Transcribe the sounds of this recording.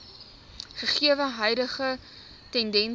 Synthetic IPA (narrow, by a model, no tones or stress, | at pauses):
χəχiəvəɦœjdəχə | tɛndɛn